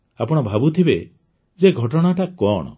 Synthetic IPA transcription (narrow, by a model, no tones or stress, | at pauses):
apɔɽ̃ɔbʱabut̪ʰibe | d͡ʒeɡʱɔʈɔɽ̃aʈakɔɽ̃ɔ̰